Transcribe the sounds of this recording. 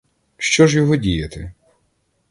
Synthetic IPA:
ʃt͡ʃɔʒjɔɦɔdʲijɐt̪ɪ

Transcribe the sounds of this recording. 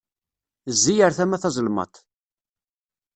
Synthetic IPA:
zːijəɾθæmæθɑzˤlmɑ̰t̪ˤ

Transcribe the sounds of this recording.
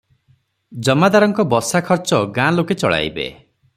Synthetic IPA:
d͡ʒɔmad̪aɾɔŋkɔbɔsakʰɔɾt͡ʃɔɡãloket͡ʃɔɭa̰jbḛ

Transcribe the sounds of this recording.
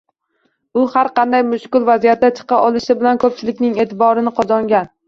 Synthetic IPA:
ʊhaɾqʰɑnd̪ajmʊʃkʊlˠvazijat̪ːat͡ʃʰɨ̥qɑʔɒlˠɪʃɪbɪlankʰɵp̚t͡ʃʰɪlɪkʲnɪŋe̞ːt̪ʰɪbɒɾɪnɪqʰɒzɒŋɡʲan

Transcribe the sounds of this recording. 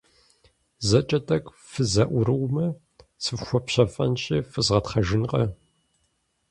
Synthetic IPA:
zɐt͡ʃʼɐtʼɐk | fɨzɐʔʷʊɾɨwmɐ | sɨfxʷɔpɕɐfʼɐ̰nɕʼiːfɨzʁɐtχɐʒɪnqɐ

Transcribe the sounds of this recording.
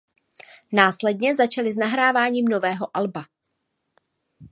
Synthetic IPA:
naːslɛdɲɛzat͡ʃalɪznaɦɾaːvaːɲiːmnovɛːɦo̞ʔalba

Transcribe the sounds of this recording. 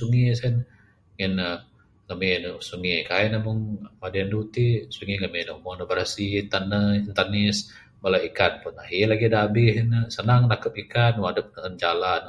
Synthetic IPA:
suŋisɛn | ŋɛnə | ŋəminusuŋikaɛnamʊŋmadiandut̪isuŋiləmenɔʔmɔnobəɾasit̪anːəint̪arnɪs | balaikanpɔnaɦilaɡidabɪɦnəsənaŋnakəpikanwadəp̚nəənd͡ʒalan

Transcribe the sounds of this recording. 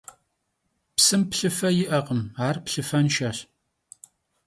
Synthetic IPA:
psɨmpɬɨfɐjɪʔɐqəmaːrpɬɨfɐnʃɐɕ

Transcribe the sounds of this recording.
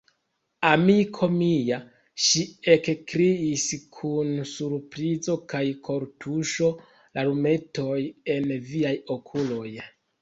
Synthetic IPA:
amikʰo̞mija | ʃiekkɾiiskʰunsuɾpɾizo̞kajkʰo̞ɾtʰuʃo̞ | laɾume̞to̞je̞nviajo̞kʰulo̞j

